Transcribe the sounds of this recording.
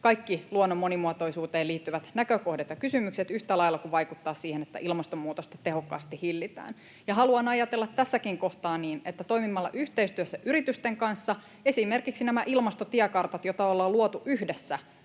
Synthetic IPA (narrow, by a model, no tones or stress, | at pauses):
kɑikːiluonːomːonimuɑt̪oisuːt̪eːliːt̪ːyʋæt̪nækøkohdet̪jɑkysymykset̪yht̪ælɑilːɑkuʋɑikut̪ːɑːssiːhenet̪ːæ̰ʔilmɑst̪omːuːt̪ost̪ɑ̥t̪eɦokːɑ̰ːst̪ihilːit̪æ̰ːn | jɑɦɑluɑnɑjɑt̪elːɑt̪tːæsːækiŋkoht̪ɑːnniːnet̪ːæt̪o̞imimɑlːɑ̰ʔyht̪eist̪yøsːæʔyɾit̪yst̪eŋkɑnsːɑ | e̞simerkiksinæmæʔilmɑst̪ot̪iækɑrt̪ɑt̪jot̪ɑolːɑluot̪uʔyhdesːæ